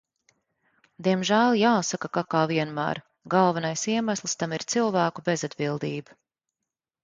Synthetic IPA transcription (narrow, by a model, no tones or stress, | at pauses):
d̪iɛmʒæːlˠjaːsakakakaːviɛnmæ̰ːɾ | ɡalˠvanajsiɛmaslˠst̪amiɾt̪silˠvæːkubezad̪bilˠd̪iːba